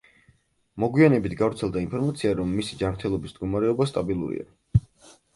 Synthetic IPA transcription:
mɔɡwianɛbit̪ʰɡavɾt̪sʰɛlˠd̪ainpʰɔɾmat̪sʰiaɾɔmːisid͡ʒanɾt̪ʰɛlˠɔbisnd̪̚ɡɔmaɾɛɔbast̪ʼabilˠṵɾḭa̰

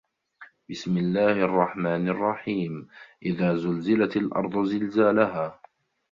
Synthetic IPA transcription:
bɪsmɪlːaːhʔɑrˤːɑħmaːnɪrˤːɑħiːmʔɪðaːzʊlzɪlat̪alʔɑ̰ɾˤd̪ˤʊzɪlzaːlaɦaː

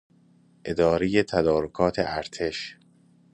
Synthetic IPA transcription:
ʔe̞d̪ɒːɾejet̪ʰæd̪ɒːɾokʰɒːt̪ʰḛʔæɾt̪ʰe̞ʃ

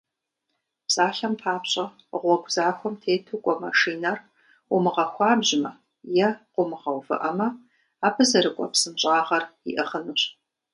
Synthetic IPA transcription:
psʼaːɬɐmpʰaːpɕʼɐ | ʁʷɔɡʷzaːxʷɔmtʰeːtʰukʷʼɔmɐʂiːnɐr | ʊmɨʁɐxʷɑːbʑmɐ | jɛqʷʊmɨʁɐwvɨ̰ʔɐmɐ | aːbʰɨzɐɾɨkʷʼɔpsɨmɕʼaːʁɐrḭʔɨχənuɕ

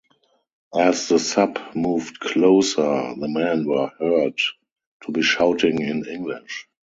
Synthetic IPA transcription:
ʔæsðəsapmuːvdkʰloʊsə˞ðəmæ̃nwə˞hɜ˞d | tʰubiːʃaʊtʰɪ̃ŋɪ̃nɪ̃ŋɡlɪʃ

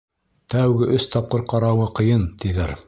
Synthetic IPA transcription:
t̪æwɡɘʔɵst̪ɑp̚qɤɾqɑɾɑwɤqɤ̆jɤnt̪iðæɾ

